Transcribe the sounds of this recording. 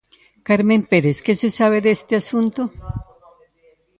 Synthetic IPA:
kaɾme̞mpeɾeske̞se̞saβe̞ðeest̪easunt̪o

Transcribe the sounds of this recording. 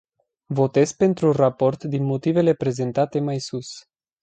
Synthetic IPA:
vo̞t̪e̞zpe̞nt̪ɾurapo̞rt̪d̪inmo̞t̪ive̞le̞pɾe̞ze̞nt̪at̪e̞majsus

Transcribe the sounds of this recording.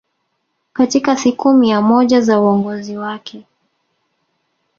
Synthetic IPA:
katikasikumijamɔʄazauɔŋɡɔziwakʰɛ

